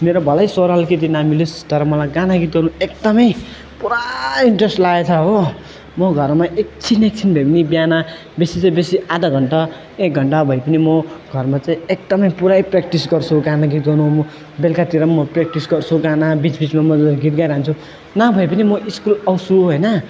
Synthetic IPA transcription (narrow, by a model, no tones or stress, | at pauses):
meɾobʱʌlajsoɾalket̪̬inamilust̪ʌɾʌmʌlajɡanaɡit̪̚ɡʌnũek̚d̪ʌmʌj | puɾaiɳʈresʈlaet͡sʰʌɦo | mʌɡʱʌrmaʔek̚t͡sʰinek̚t͡sʰinbʱʌjpʌnibjana | besit͡saĩbesiʔad̪aɡʱʌɳʈa | ek̚ɡʱʌɳʈabʱʌjpʌnimʌɡʱʌrmat͡saĩek̚d̪ʌmʌjpuɾajprek̚ʈisɡʌrt͡sʰuɡãnaɡit̪̚ɡʱʌnũm | belkat̪iɾʌmʌprek̚ʈisɡʌrt͡sʰuɡanabit͡sbit͡smamʌɡʱit̪̚ɡajɾant͡sʰu | nabʱʌjpʌnimʌʔiskulʌwsuɦojnʌ